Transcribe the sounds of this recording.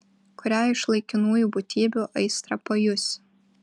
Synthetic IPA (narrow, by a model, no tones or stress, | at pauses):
kʊɾʲæːɪʃlˠɐɪkʲɪnuːjuːbʊt̪ʲiːbʲuʔɐɪst̪ɾɐpɐjʊsʲ